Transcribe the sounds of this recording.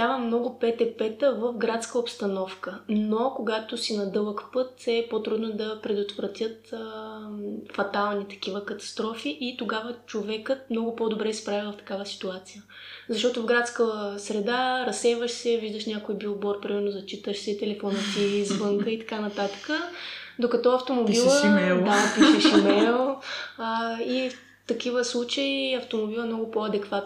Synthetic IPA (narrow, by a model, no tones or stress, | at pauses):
d̪ʲavəmnɔɡʊpɛt̪ɛpɛt̪əvəfɡɾat̪skəopst̪ɐnɔfkənokoɡat̪osinɐd̪ɤlˠəkpɤt̪ɛpot̪ɾud̪nod̪ɐpɾɛd̪ot̪vɾɐt̪ʲjət̪ | fɐt̪alˠnit̪ɐ̥k̟ivəkɐt̪ɐ̥st̪ɾɔfiʔit̪oɡavət͡ʃovɛkət̪̚mnɔɡʊpɔd̪obɾɛispɾavivɐft̪ɐ̥kavəsi̥t̪uat̪sijə | zɐʃ̬t̪ɔt̪ʊvɡɾat̪skəsɾɛd̪aɾɐsɛvəʃsɛviʒd̪əʃnʲakoibilˠbɔɾpɾimɛɾnʊzɐt͡ʃit̪əʃsɛt̪ɛlɛfɔnət̪izvɤŋkəit̪ɐ̥kanɐt̪at̪ə̥kə | d̪okɐt̪ɔɐft̪omobillˠəɛd̪apiʃɛʃimɛlˠ | if | t̪ɐkivəslˠut͡ʃəiɐft̪omobilˠɐmnɔɡʊpoɐd̪ɛkvat̪